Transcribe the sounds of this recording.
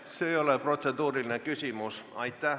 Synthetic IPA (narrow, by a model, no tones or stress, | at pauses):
seejoleprot̪ʲsed̪uːrilinekysimusɑ̰it̪ːˑæ